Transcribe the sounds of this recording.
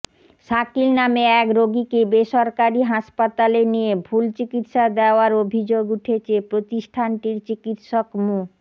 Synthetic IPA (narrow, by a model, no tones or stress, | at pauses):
ʃakilnameɛkɾoɡikebeʃɔɾkaɾiɦaʃpat̪alenijebʱult͡ɕikit̪ʃad̪ɛoaɾobʱid͡ʑoɡuʈʰet͡ɕʰepɾot̪iʃʈʰanʈiɾt͡ɕikit̪ʃokmu